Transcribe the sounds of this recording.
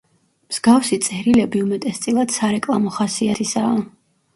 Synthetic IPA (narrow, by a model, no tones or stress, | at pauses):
mz̥ɡafsit̪sʼɛɾilɛbiumɛt̪ʼɛst̪sʼilˠad̪̥saɾɛkʼlˠamɔχasiat̪ʰisaː